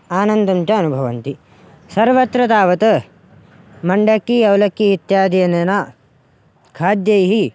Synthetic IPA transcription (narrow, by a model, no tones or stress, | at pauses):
aːnɐnd̪ɐmt͡ʃɐɐnubʱɐʋɐnt̪i | sɐɾʋɐt̪ɾɐt̪aːʋɐt̪ɐ | mɐɳɖɐkːiɐwlɐkːiit̪jaːd̪ijɐnɐnɐ | kʰaːd̪jɐjɦi